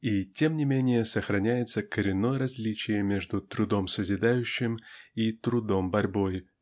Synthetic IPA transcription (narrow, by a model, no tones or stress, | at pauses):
itʲe̞mnʲɪmʲenʲɪjəsəxɾɐnʲæjɪt̪səkəɾʲɪnːo̞jəɾɐzʲlʲit͡ɕɪjəmʲe̞ʐd̪ʊt̪ɾʊd̪o̞msəzʲɪd̪ajʉɕːɪmit̪ɾʊd̪ombɐɾʲbo̞j